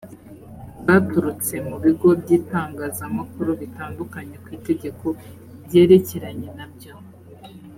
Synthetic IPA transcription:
βatuɾut͡se̞muβiɡo̞bɟiːtaːŋɡaːzamakuɾoβitaːndukaɲe̞kwiːte̞ɟe̞kʰo̞ | bɟe̞ːɾe̞ce̞ɾaɲe̞nabɟo̞

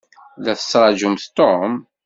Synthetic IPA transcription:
læθə̥sːɾˤɑd͡ʒʊmθt̪om

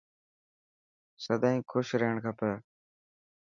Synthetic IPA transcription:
səd̪ãːĩːkʰʊʃɾeːɳkʰapəː

